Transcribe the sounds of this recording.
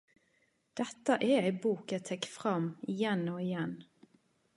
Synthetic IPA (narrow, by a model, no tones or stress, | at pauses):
d̪̥ɛt̪ːəʔɛæɪbuːkət̪ʰɛkfʁɑmɪjɛnoːɪjɛn